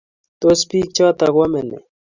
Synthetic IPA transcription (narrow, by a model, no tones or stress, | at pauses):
t̪ospiːk̚t͡ɕɑːt̪ɐɡwɐmenḛ